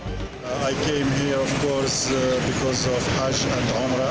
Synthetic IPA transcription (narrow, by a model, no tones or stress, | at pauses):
ajkẽɪmhiɾɔvkɔɾsbɪkɔzɔvhad͡ʒæ̃ndɔmɾa